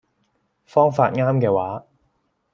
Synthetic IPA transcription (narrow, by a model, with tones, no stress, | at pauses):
fɔː˥ŋfa̰ː˧t̚ŋaː˥mkɛː˧waː˨˥